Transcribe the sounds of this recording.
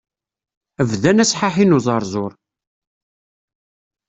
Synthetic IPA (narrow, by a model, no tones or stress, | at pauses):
əvðænæsħaħinuzˤɑɾˤzˤʊɾˤ